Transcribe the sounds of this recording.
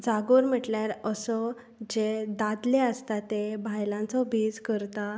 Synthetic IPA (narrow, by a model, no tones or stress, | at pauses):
d͡zaɡuɾm̤əʈljaɾəsɔ | d͡ʑed̪ad̪leəst̪at̪ebʱajlãnt͡sɔbʱiːd͡zkəɾt̪a